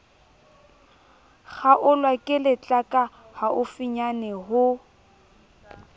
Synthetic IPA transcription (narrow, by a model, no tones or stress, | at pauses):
ɣaʔʊlwakʼɪlɪt͡ɬʼakʼa | haʔʊfiɲanɛɦʊ